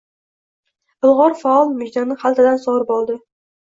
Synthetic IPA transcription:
ɪlˠʁɒɾfaɒlˠmʊd͡ʒd̪anɪχalˠt̪ad̪ansɒʁɾɪpɒlˠd̪ɪ

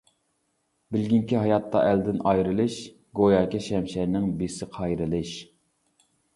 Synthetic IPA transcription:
bɪlɡʲiŋkʲiɦɑjɑt̪ːɑ̰ʔæld̪ɪnɑjɾɨlˠɨʃ | ɡojɑːkʲɪʃɛmʃæɾnɪŋbesɪqʰɑjɾɨlˠɨʃ

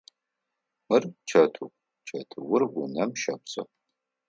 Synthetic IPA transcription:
mɨrt͡ʃʰɐtʰukʷʼ | t͡ʃʰɐtʰɨwʊrɡʷʊnɐmʃɐpsʼɐ̰

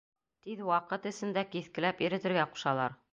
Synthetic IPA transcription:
t̪iðwɑqɤt̪ɘ̆sɘ̆nd̪ækiθkɘ̆læpiɾɘ̆t̪ɘ̆ɾɡæqu̥ʃɑlˠɑɾ

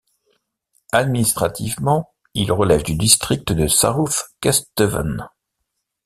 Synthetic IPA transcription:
ad̪minist̪χat̪ʰivmɑ̃ | ilʁəlɛvd̪yd̪ist̪χik̚t̪əd̪əsa̰ʁufkʲɛst̪əva̰n

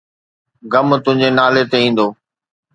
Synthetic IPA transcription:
ɡəmt̪ʊ̃ɦɪ̃ɲd͡ʑenaːlet̪eĩːn̆d̪oː

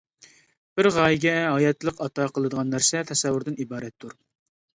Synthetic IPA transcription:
b̥ɪɾʁɑːjɪɡʲɛɦɑjɛt̪lˠəqɑt̪ɑqʰəlˠəd̪əʁɑnːæɾsɛt̪ʰɛsɛwːʊɾd̪ɪnibɑːɾɛt̪ʰːuɾ

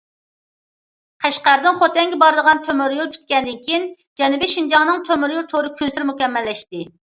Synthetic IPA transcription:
qʰæʃqæɾd̪ɪnχot̪ɛŋɡʲɪbɑɾɨd̪əʁɑnt̪ʰømyɾjulˠt̪ʰy̥t̪kʲɛnd̪ɪnkʲʰijin | d͡ʒɛnubɪʃind͡ʒɑŋnɨŋt̪ʰømyɾjulˠt̪ʰoɾɨkʲʰynsyɾmukʲɛmːɛlːɛʃt̪ɪ

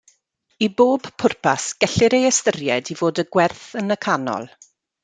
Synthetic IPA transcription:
iboːbpʰʊrpʰasɡ̥ɛɬɪɾejɛstərjɛdivoːdəɡwɛrθənəkʰanɔ̰lˠ

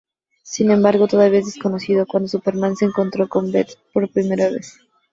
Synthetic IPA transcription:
sinẽ̞mbaɾɣo̞t̪o̞ð̞aβiaezðesko̞no̞siðo̞kwand̪osupe̞ɾmanse̞ːŋko̞nt̪ɾo̞ko̞mbet̪po̞ɾpɾime̞ɾaβ̞e̞̰s

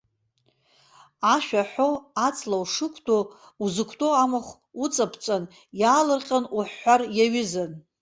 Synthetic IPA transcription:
aʃᶣaħʷoat͡sʼlawʂɨkʷʰtʰʼo | uzɨkʷʰtʼo̞amaχʷ | ut͡sʼapʰt͡sʼan | jaːlɨrqʲʼanuħːʷarjaɥɪzan

